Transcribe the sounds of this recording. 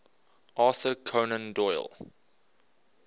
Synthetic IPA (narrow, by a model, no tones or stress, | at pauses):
ʔɑsəkʰonə̃ndɔɪ̰lˠ